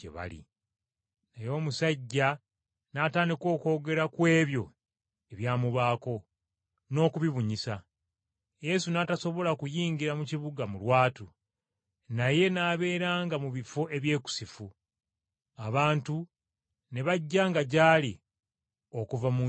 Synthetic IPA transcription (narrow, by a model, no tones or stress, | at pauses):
ḛβa̰lḭ | najo̞ːmusaɟːa | naːtaːndiko̞ːko̞ːɡe̞ɾakwe̞ːβjo̞ | e̞βjaːmuβaːko̞ | no̞ːkuβiβuɲisa | je̞sunataso̞βo̞lakujiːɲɟiɾamuciβuɡamulwaːtu | naje̞naːβe̞ːɾaːŋɡamuβifo̞ʔe̞βje̞ːku̥sifu | aβaːntu | ne̞βaɟːaːŋɡaɟaːli | o̞kuvamu